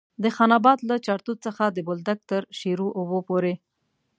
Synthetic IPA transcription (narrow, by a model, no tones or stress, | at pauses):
d̪əxɑnɑbɑd̪lat͡ʃɑɾt̪ut̪̚t͡səxad̪əbʊld̪ak̚t̪əɾʃeɾuʔobopoɾe